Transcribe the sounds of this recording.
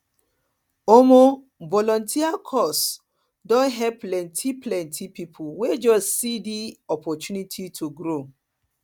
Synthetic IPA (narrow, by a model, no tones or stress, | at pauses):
omo | vɔlɔ̃ntʰiakʰɔs | dɔ̃nɦɛplɛ̃ntʰiplɛ̃ntʰipipʰuwed͡ʒɔssidiɔpɔtunitʰitʰuɡɾo